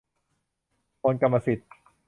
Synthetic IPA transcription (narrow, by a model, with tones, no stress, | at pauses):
oː˧nka˧mːa˧si˨˩t̪̚